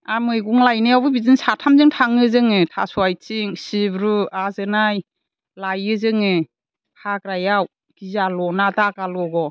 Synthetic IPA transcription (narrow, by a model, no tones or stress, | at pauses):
amɯjɡuŋlajnɯjawbɯbizɯŋsatʰamzɯŋtʰaŋɯzɯŋɯtʰa̰suajt͡ʃiŋsibɾuazɯnaj | lajɯzɯŋɯ | hʰakɾajaw | ɡ̥izalɔnadaɡalɔɡɔ